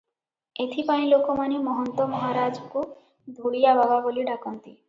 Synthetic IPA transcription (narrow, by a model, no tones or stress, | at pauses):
et̪ʰipaĩlokɔmanimɔɦɔnt̪ɔmɔɦaɾad͡ʒɔku | d̪ʱuɽijabʱababoliɖakɔnt̪i